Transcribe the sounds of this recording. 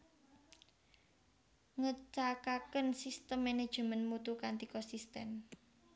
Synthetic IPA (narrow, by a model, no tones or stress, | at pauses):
ŋət͡ʃakakənsist̪əmːɛned̥ʒ̥əmənmut̪ukant̪ikɔsist̪ɛm